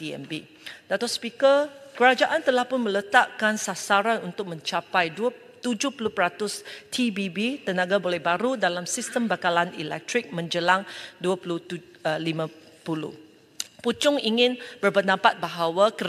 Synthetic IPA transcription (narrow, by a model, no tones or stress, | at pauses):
tiɛ̰mbi | dat̪ɔspikəkəɾad͡ʒaʔant̪əlahpʊnmə̃lət̪aʔkansasaɾanunt̪ʊk̚mə̃ɲt͡ʃapajdua | t̪ud͡ʒʊhpuluhpəɾat̪ʊst̪ʰibibit̪ənãɡabolɛhbaɾudalamsist̪əmbakalanḭlɛ̰k̚t̪ɾɪk̚mə̃ɲd͡ʒəlaŋduapulu | limã | pulṵh | put͡ʃʊŋiŋɪ̃nb̥ərbənãpat̪̚baɦawakə